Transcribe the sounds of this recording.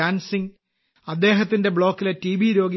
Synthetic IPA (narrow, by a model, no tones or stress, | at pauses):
aːnsiŋ | ɐd̪ːe̞ːɦɐt̪ːinde̞bɭo̞ːkːiletiːʋiɾo̞ːɡi